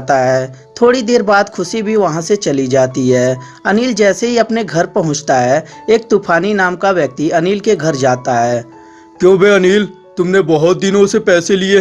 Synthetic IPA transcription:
t̪aɦɛː | t̪ʰoːɽid̪eːɾbaːd̪kʰʊʃibʱiʋɐɦãset͡ʃɐlid͡ʒaːt̪iɦɛː | ɐniːld͡ʒɛːseɦiɐpneɡʱɐɾpɐɦʊ̃t͡ʃt̪aɦɛːeːk̚t̪uːpʰaːninaːmkaʋjɐk̚t̪iɐniːlkeɡʱɐɾd͡ʒaːt̪aɦɛː | kjõːbʱeɐniːl | t̪ʊmnebɐɦʊt̪̚d̪ɪnõsepɛːselie

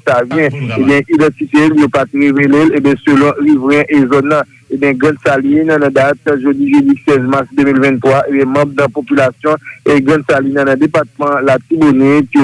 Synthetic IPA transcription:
savjɛ̃ebjɛ̃ʔid̪ãtit̪eljopat̪ʁevelelebjɛ̃sølɔ̃ʁivʁɛ̃ʔezɔnːʌ̃ | ebjɛ̃ɡãd̪salinãnãd̪at̪ʒodiʒedisɛzmaʁsd̪ømilvɛ̃nt̪ʁwaʔebjɛ̃mãb̚nɐ̃popylasjɔ̃eɡãd̪salinãnɐ̃d̪epat̪̚mãlat̪ibonepi

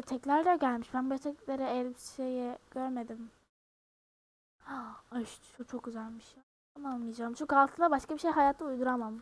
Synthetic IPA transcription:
t̪ʰɛclʲæɾd̪ɛɟælʲmiʃbænbt̪ʰɛclʲeɾɛɛlʲbʃejiɟ̥øɾme̞d̪im | aʃʃut͡ʃʰok̚ɟyzælʲmiʃʰ | amamlɯjad͡ʒaːɯmʃukʰalˠt̪ʰɯd̪abaʃkabiʃejɦajaːt̪ʰɯujd̪uɾamam

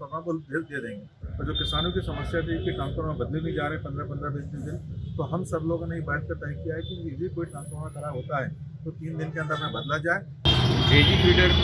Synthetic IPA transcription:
t̪ɐmãːmʊld̪eld̪ied̪ẽːŋɡe | ɔɾd͡ʑoːkɪsaːnũkisɐməsjad̪ikikaːmkəɾmãbɐd̪lebĩd͡ʒaːɾeɦɛ̃pɐ̃nd̪ɾapɐnd̪ɾabeːst̪ed̪ɪnt̪oːɦɐmsɐbloːɡneɦibɛːʈ̪k̪ət̪ãːĩkijaɦɛkiɪbʱekoːiʈɾãːnsəãkɐɾaːbɦoːt̪aɦɛːt̪oːt̪iːnd̪ɪnkeə̃nd̪əɾmẽbɐd̪lad͡ʒaːe | eːd͡ʒikeːɖəɽ

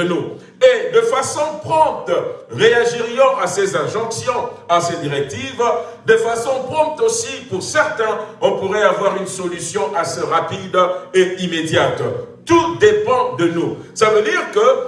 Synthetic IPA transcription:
ənu | ed̪əfasɔ̃pχɔ̃p̚t̪ʁeaʒiʁijɔ̃ʔasezɛ̃ʒɔ̃ksjɔ̃ased̪iʁɛk̚t̪ivd̪əfasɔ̃pχɔ̃p̚t̪osipuʁsɛʁt̪ɛ̃ɔ̃puʁɛavwaʁynsɔlysjɔ̃ʔaseʁapid̪eimed̪jat̪t̪ud̪epɑ̃d̪ənu | savød̪iʁkə

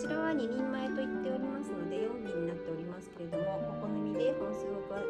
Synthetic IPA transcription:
t͡ɕiɾoβaɲ̟iɲʲĩmːae̞t̪o̞it̪ːe̞oɾʲimasɨno̞d̪e̞joɡʲiɲ̟inat̪ːe̞o̞ɾʲimasɨ̥ke̞ɾe̞d̪o̞mo̞kokonomʲid̪e̞hõɰ̃sɨːɡokɯ̟βa

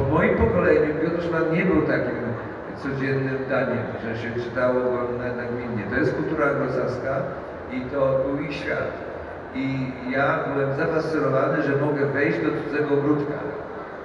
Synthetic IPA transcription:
mɔjimpɔkɔlɛjnɘmbʲjud̪ʂmanɲɛbɘwt̪akʲim | t̪sɔd͡ʑɛnːɘmd̪aɲɛmʐɛɕɛt͡ʂɘ̥t̪awɔnanaɡmʲinːɛt̪ɔjɛst̪̚kult̪uɾaɡɾɔsɛska | it̪ɔbuiɕfʲja̰t̪ | ijabɘwɛmzafast̪sɨnɔvanɘʐɛmɔɡɛvɛjd͡ʑd̪ɔd̪uɛɡɔɡɾut̪ka̰

